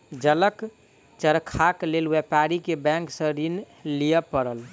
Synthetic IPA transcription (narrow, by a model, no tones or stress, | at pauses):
d͡ʒələk | t͡ʃəɾkʰaklelwepaɾikebɛ̃ŋksə̃ɾin | lijəpəɾəl